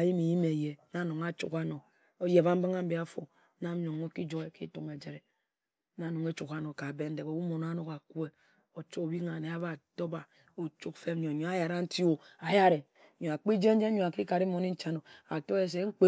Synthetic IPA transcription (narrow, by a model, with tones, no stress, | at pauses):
a˨ji˦mi˨ji˦me˨je˨na˦no˨ŋa˦t͡ʃṵ˨ka˦no˨ | o˦je˨ba˦m̩˦ba˦ŋa˦m̩˦bi˨˦a˦fo̰˨˦ | na˦o˨ŋo˦ki˦d͡ʒo˨e˨ki˦tu˨ŋe˨d͡ʒe˨ɾe˨ | na˨˦no˨ŋe˦t͡ʃu˨ka˦no˨ka˨be˦n̩˦de˨ko˨wu˦mo˨n˦a˦no˦ka˨ku˦e˦ | o˨t͡ʃo˦˨bi˦ŋa˨ne˨a˦ba˨to˦ba˨ | o˨t͡ʃu˦kfe˦m˦ɲo˨ɲo˨a˦ja˨ɾa˦n̩˦ti˦o˨a˨ja˦ɾe˨ | ɲo˨a˨k͡pi˦d͡ʒe˦n̩˦d͡ʒe˦ɲo˨a˨ki˦ka˨ɾi˦mo˨ni˦n̩˦t͡ʃa˦no˨a˨to˦e˦s̬e˨˦ŋ͡m̩˦k͡pe˦